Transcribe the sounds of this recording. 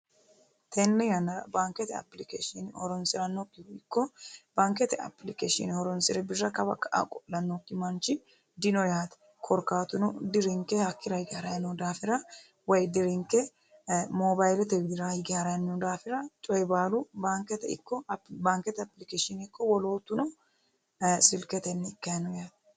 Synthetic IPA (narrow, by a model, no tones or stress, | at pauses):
t̪ɛnːɛjɐnːɐɾɐbaːŋkɛt̪ɛɐ̰plɪkḛːʃɪnɪhɔ̰ɾɔnsɪɾɐnːokːɪɪkːɔb̥aːŋkɛt̪ɛɐ̰pːlɪkeːʃɪ̰nhɔɾɔnsɪɾɛbɪrːɐkɐbɐ̰kːɐʔa̰kʼɔlɐnːokːɪmɐnt͡ʃɪ | d̪ɪnɔjaːt̪ɛ̥ | kʰɔɾkaːt̪ʊnʊd̪ɪɾɪŋkːɛhɐkːɪɾɐhɪɡɪhɐɾɐjɐnːɔd̪aːfɪɾɐ | wɐjd̪ɪɾɪŋkɛ | moːbajlɛt̪ɛɡɪd̪ɪɾaɪɡɪhaɾɐjɐnːʊd̪aːfɪɾɐt͡ʃʼɔjbaːlʊbaːŋkɛt̪ɛɪ̰kːɔbaːŋkɛt̪ɛɐplɪkeːʃɪnɪkːɔwɔlo̞ːt̪ːʊnɔ | sɪlkɛt̪ɛnːɛɪkːɐjɐnɔjaːt̪ɛ̥